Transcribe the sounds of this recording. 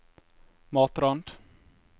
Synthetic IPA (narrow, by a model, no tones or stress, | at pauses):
mɑːt̪ɾand̪̥